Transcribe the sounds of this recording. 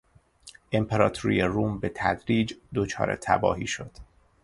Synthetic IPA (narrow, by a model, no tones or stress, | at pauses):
ʔempʰeɾɒːt̪ʰoɾḭjeruːmbe̞t̪ʰæ̰d̪ɾiːd͡ʒd̪ot͡ʃʰɒ̰ːɾḛt̪ʰæ̰bɒ̰ːɦiːʃo̞d̪̥